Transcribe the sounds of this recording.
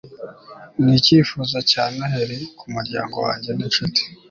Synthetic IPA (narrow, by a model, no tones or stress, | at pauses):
niciːfuːzacaːnaɦeɾikʰumuɾɟa̰ːŋɡo̞̰wa̰ːɲɟe̞nat͡ʃuti̥